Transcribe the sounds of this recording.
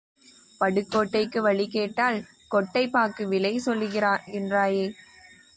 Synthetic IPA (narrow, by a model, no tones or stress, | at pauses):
pɐɽɯkːoːʈːɐɪkːɯʋɐɭɪkeːʈːaːl | kɔʈːɐɪpːaːɾkɯʋɪlɐɪsɔlːɯɣɪɾaːnɛndraːjeː